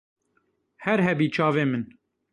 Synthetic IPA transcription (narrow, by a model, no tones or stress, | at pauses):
hɛɾɦɛbiːt͡ʃʰɑːveːmɨn